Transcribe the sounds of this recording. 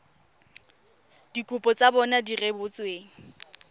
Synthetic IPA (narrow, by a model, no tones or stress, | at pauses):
d̥ikʼʊpʼɔt͡sʼabɔnadirebʊt͡sʼweːŋ̩